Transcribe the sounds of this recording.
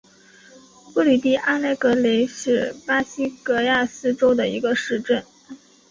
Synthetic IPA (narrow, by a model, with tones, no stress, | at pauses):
pu˥˧li˨˩t̪i˥˩ʔa˥nle˥˩ɪkɤ˧˥le˧˥ɪʂɻ̩˥˩pa˥ɕi˥kɤ˧˥ja˥˩sɹ̩˥ʈ͡ʂo˥ʊd̪ə˨i˧˥ɡə˧ʂɻ̩˥˧ʈ͡ʂə˥˩n